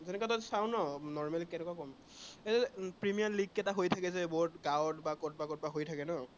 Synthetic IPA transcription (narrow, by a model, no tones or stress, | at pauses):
zɛnɛkwatɔsawnɔnɔɹmɛlikɛnɛkwakɔm | epɹimijaliɡ̚kɛtaɦojtʰakɛzɛbɔɦutɡawɔtbakɔt̚bakɔt̚baɦojtʰakɛnɔ